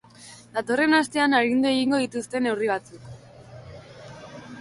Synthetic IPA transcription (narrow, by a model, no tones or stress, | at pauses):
d̪̥at̪o̞re̞nast̪e̞anaɾind̪ue̞ɣiŋɡo̞ð̞it̪ust̪e̞ne̞wriβ̞at͡suk